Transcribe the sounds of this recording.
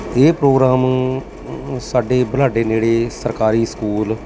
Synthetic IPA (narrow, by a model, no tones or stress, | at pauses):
eːpɾoːɡɾaːm | saːɖeːbəlaːɖeːneːɽeːsəɾkaːɾiːskuːl